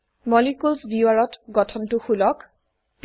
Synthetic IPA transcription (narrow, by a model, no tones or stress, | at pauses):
mɔlikulsbiwaɹɔtɡɔtʰɔntuxulɔk | p